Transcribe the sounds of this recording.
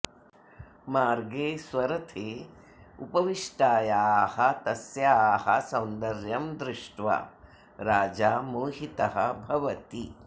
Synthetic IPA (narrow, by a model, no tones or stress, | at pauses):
maːɾɡeːsʋɐɾɐt̪ʰeː | upɐʋiʂʈaːjaːhɐt̪ɐsjaːhɐsɐwnd̪ɐɾjɐmd̪ɾɪʂʈʋɐ̰ | ɾaːd͡ʒaːmoːɦit̪ɐɦɐ̰bʱɐʋɐt̪i